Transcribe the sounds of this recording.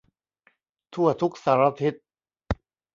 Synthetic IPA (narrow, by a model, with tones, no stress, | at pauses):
t̪ʰu˥˩ɐt̪ʰu˦˥k̚saː˨˦ɾa˧t̪ʰi˦˥t̪̚